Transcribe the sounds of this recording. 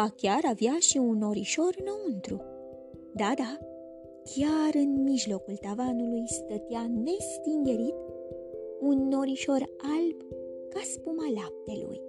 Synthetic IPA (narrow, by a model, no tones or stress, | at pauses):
akʲjaɾavjaʃiunːoɾiʃoɾnount̪ɾṵ | d̪ad̪a | kʲjaɾɨnmiʒlokult̪avanulujst̪ət̪janest̪iŋɡeɾit̪ | unːoɾiʃoɾalb | kaspumalap̚t̪elṵj